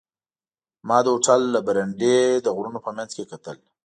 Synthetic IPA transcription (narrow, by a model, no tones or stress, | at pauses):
mɑd̪əuʈalːabaɾaɳɖed̪əɣɾunopəmjanzkekat̪ə̰l